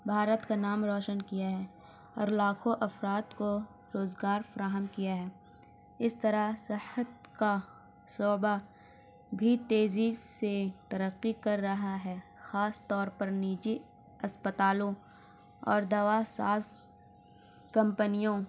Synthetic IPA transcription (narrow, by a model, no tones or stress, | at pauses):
bʱaːɾət̪kanaːmɾɔːʃənkijaɦɛː | ɔːɾlaːkʰõʔɐfɾaːd̪ko | ɾoːzɡaːɾfɐɾaːɦəmkijaɦɛː | ɪst̪ɐɾasɪhət̪̚ka | soːba | bʱit̪eːziset̪ɐɾəqːikɐɾːɐɦaɦɛxaːst̪ɔːɾpɐɾniːd͡ʒi | ɐspət̪aːlõ | ɔ̰ːɾd̪ɐʋasa̰ːz | kɐ̃mpənijõ